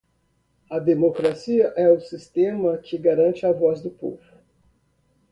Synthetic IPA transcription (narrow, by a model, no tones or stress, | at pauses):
ɐd̪emokɾasiɐʔɛʊsist̪ẽmɐkɪɡaɾɐ̃nt͡ʃɪɐvɔzd̪ʊpo̰vʊ